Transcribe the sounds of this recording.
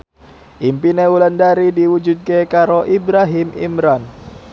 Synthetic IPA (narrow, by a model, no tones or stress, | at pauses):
ʔimpinewuləndaɾidiwud͡ʒut̪̚kekaɾoʔibɾaɦɪmḭmɾan